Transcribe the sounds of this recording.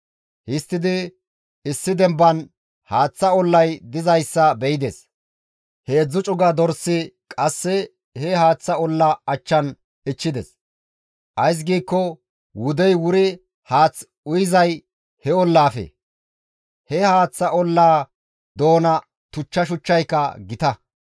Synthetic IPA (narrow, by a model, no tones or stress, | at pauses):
hɪst̪ːɪd̪ɪ | ɪsːɪd̪ɛmbɐn | haːt͡sːɐɔlːɐjd̪ɪzɐjsːɐbɛjɪd̪es | he̞ːd͡zːʊt͡ʃʼʊɡɐd̪ɔɾsːɪkʼɐsːɛ | hɛhaːt͡sːɐɔlːɐɐt͡ʃːɐn | ɪt͡ʃːɪd̪ɛ̰s | ʔɐjs̬ɡiːkːɔ | wʊd̪ɛjwʊɾɪ | haːt͡s | ʊjɪzɐj | hɛɔlːaːfɛ̰ | hɛhaːt͡sːɐʔɔlːaː | d̪o̞ːnɐ | t̪ʊt͡ʃːɐʃ̬ʊt͡ʃːɐjkːɐɡɪt̪ɐ